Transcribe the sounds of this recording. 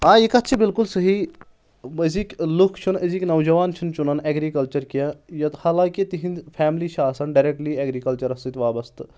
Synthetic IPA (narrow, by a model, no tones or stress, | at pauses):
ãːikɐt̪t͡ʃʰibilkulsɐɦiː | ɐzikʲlukʰt͡ʃʰunɐzikʲnɐʋd͡ʒɐʋaːnt͡ʃʰunt͡ʃunɐnɛɡɾiːkɐlt͡ʃɐɾkijãjɐt̪haːlãːkit̪iɦinpʰɛːmliːʃaːsɐnɖɐɾeːk̚ʈliɛːɡɾiːkɐlt͡ʃɐɾɐst̪it̪ʲʋaːbɐst̪